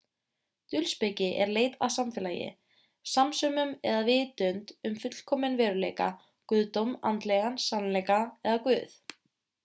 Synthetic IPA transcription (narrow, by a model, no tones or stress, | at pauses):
t̪ʏlspecɪʔɛɾleːjt̪a̰ðsamfɛːlaːjɪ̰ | samsœmʏmɛðavɪðt̪ʏnt̪ʏmfʏt̪l̥kʰɔmɪnvɛːɾʏleːjka̰ | kʏðt̪owma̰nt̪lɛɣansanːlɛjkaɛðakvʏ̰ːθ